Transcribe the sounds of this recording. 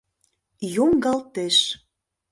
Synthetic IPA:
joŋɡɑlt̪eʃ

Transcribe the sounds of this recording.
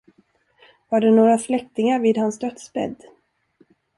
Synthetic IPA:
vaɖɛnoːɾaslɛk̚t̪ɪŋaɾviːd̪hansd̪œt̪spɛ̰d̪

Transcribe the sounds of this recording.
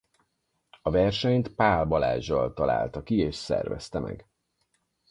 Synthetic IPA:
ɒvɛrʃɛɲt̪paːlbɒlaːʒːɒlt̪ɒla̰ːlt̪ɒkieːʃsɛ̰rvɛ̰st̪ɛmɛ̰ɡ

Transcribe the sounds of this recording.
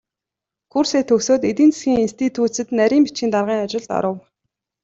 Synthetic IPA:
kʰurseːt̪ʰːɵksoːt̪et̪iːnt͡se̥sɡʲiːŋinst̪ʰit̪ʰuːsɘ̆t̪næɾʲiːmpi̥t͡ɕxiːnt̪arʁiːŋat͡ɕɪ̆ɮt̪ɔ̰ɾə̆w

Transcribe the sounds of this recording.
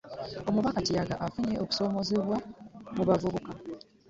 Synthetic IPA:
o̞muβakacijaɡa̰ʔafuɲeʔo̞ku̥so̞ːmo̞zeβwamuβavuβuka

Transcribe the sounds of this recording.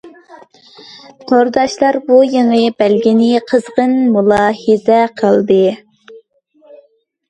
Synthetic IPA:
nʰoɾd̪ɑʃlˠɑɾbujəŋəbælɡʲinɪqʰəzʁənmulˠɑːhɨzɛqʰəlˠd̪ɨ

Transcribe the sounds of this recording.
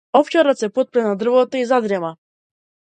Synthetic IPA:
ɔft͡ʃɛɾɔsɛpɔt̪̚pɾɛnad̪r̩vɔt̪ɔizad̪ɾɛma

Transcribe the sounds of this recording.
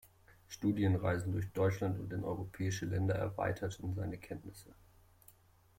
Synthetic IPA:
ʃtuːdjənʁa̰ɪzn̩dʊɐçd̥ɔʏt͡ʃlantʊ̰nt̚d̥enʔɔ̰ʏʁopʰɛːɪʃəlɛndɐɛ̰ɐva̰ɪtʰɐtʰn̩zaɪnəkʰɛntnɪsə

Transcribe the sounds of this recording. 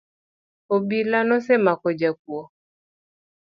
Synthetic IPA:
obilanɔsɛmakɔd͡ʒak̚wɔ

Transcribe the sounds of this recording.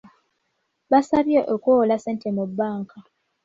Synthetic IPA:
βasaβjoʔokoːlaseːntʰemubːaːŋkʰa

